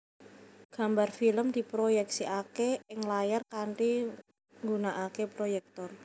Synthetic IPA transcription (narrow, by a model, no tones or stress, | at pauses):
ɡ̥a̤mbarfiləmd̪̥i̤pɾojɛk̚siʔakeɪŋlajarkaɳʈi | ŋɡunaʔakepɾojɛk̚t̪ɔr